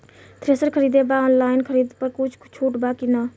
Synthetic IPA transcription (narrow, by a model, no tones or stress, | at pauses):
t̪ɾeːsəɾkʰəɾiːd̪ebaɔːnlaːɪnkʰəɾiːd̪pəɾkʊt͡ʃʰt͡ʃʰuːʈbakina